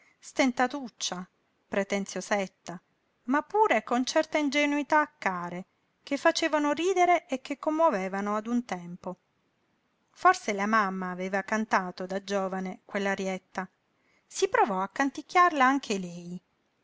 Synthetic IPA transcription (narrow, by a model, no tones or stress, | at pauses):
st̪ent̪at̪ut͡ʃːa | pɾet̪ent̪sjosɛt̪ːa | mapːuːɾekont͡ʃɛrt̪aind͡ʒenuit̪aːkːaːɾe | kefːat͡ʃeːvanoɾiːd̪eɾeʔːk̟ːekːomːoveːvanoad̪unt̪ɛmpo | forselamamːaːveːvakant̪aːt̪od̪ad͡ʒoːvanekwelːaɾjɛt̪ːa | sipɾovɔakːant̪ikːjarlaaŋkʰelɛj